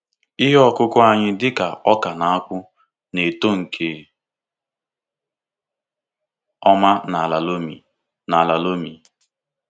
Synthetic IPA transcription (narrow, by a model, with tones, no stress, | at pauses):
ɪ˦ɦɔ˦kʊ˦kʊ˦a˦ɲɪ˦dɪ˦ka˨ɔ˦ka˨na˨a˦kʷʊ˦ | ne˨to˦ŋ̩˨kʰe˨ | ɔ˦ma˦na˨la˨lo˦mi˨ | na˨la˨lo˦mi˨